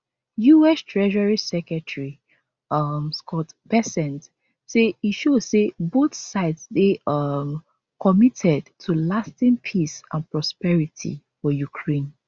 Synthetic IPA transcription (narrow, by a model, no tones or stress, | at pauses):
juɛstʰɹɛʒaɹisɛkɛtɹi | ʌmskʰɔtb̥ɛsɛ̃nt | seiʃozseboθsaɪtsdeʌm | kʰɔmitʰɛdtʰulastĩnpʰisãnpɹɔspɛɹitʰḭfɔjukʰɹẽn